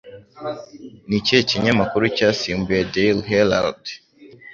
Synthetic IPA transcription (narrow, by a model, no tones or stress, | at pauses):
niceciɲamakuɾucaːsiːmbujedejlɦela̰ld